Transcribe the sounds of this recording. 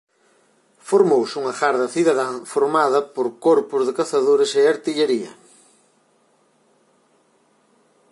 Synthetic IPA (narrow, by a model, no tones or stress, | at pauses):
foɾmowsuŋɐxaɾðɐθiðaðãfoɾmaðɐpoɾkoɾpʊzðɪkaθaðoɾɪseaɾt̪iʎeɾiɐ̰